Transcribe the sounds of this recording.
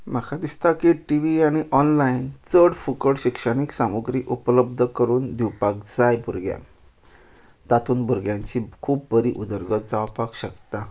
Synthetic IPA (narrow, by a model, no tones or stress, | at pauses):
m̤akʰad̪ist̪akiʈiʋiaɽ̃iʔɔnlaint͡səɽfukəɽɕikʂəɽ̃iksamuɡɾiːʔupləb̚d̪ʱəkəɾuːnd̪iwpak̚d͡zajbuɾɡja̰ | t̪at̪ʰuːnbʱuɾɡjaɲt͡ɕikʰuːp̚bəɾiʔud̪əɾɡət̪̚d͡zaʋpakɕəkt̪a